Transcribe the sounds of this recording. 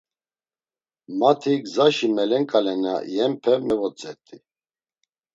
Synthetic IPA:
mat̪ʰiɡzaʃimɛlɛŋkʼalɛna̰jɛmpʰɛmɛvɔt͡sʼɛt̪ʼi

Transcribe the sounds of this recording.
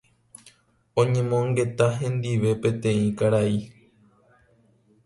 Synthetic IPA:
õɲẽ̞mõŋɡe̞t̪aɦẽ̞nd̪iʋe̞pẽ̞t̪ẽ̞ĩkaɾai

